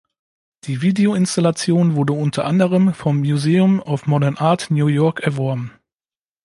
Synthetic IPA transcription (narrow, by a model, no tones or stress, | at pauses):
d̥iːviːdeoɪnstalat͡sjoːnvʊɐdəʊntʰɐʔandəʁ̞əmfɔmːjuzeːʊmaʊfmɔdɛnʔaɐtnjuːjɔɐkɛɐvɔɐbm̩